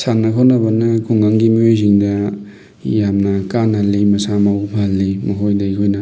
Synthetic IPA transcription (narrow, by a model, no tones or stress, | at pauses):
sanːɐkʰawnɐbɐnɐkʰuŋɡaŋɡimiojs̬iŋdɐ | jamnɐkanːɐlimɐsamawpʰalːimɐkojdɐikʰojnɐ